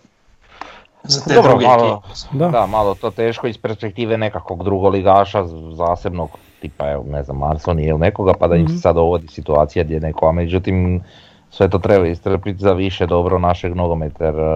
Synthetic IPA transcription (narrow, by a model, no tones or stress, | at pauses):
zaoɾoalod̪d̪amalˠot̪ot̪eːʃkoispe̞ɾspek̚t̪iːʋene̞kako̞ɡd̪ɾuɡoliɡaːʃazaːse̞bnoɡ | t̪ipaeo̰neznamːaɾsonijilnekoɡapad̪aɲimse̥sad̪d̪oʋod̪isit̪uaːt̪sijaɡd̪ʲjenekoamed͡ʑut̪im | sʋet̪o̞ːt̪ɾebaist̪ɾəpit̪zaʋiʃed̪o̞bɾonaʃeɡnoɡomet̪aɾ